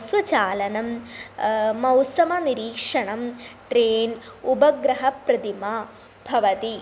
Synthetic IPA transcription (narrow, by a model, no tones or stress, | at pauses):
swɐt͡ɕaːlɐnɐmː | ɐwsɐmɐniɾiːkʂɐɳɐmʈɾeːnubɐɡɾɐɦɐprɐd̪ima | b̥ʱɐʋɐt̪i